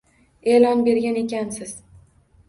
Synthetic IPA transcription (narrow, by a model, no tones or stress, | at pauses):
elɒnbe̞ɾɡʲane̞kʲansɪz̥